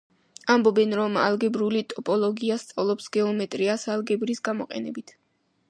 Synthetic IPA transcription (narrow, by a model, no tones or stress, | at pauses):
ambɔbɛnɾɔma̰lˠɡɛbɾulit̪ʼɔpʼɔlˠɔɡiast̪sʼavlˠɔpsɡɛɔmɛt̪ʼɾiasalɡɛbɾisɡamɔqʼɛ̰nɛbit̪ʰ